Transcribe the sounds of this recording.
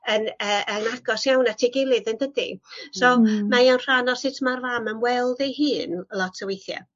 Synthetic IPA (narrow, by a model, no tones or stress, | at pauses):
ənəʔənaɡ̥ɔsjawnatʰiːɡelˠɨðəndədḭsɔmajawnr̥anɔsɪtʰmarvamənwɛlˠdejɦɨːnlˠɔtʰəwejθja̰